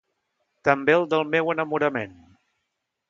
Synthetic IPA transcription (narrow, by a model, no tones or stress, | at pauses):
t̪əmbeəlˠd̪əlˠmewənəmuɾəmen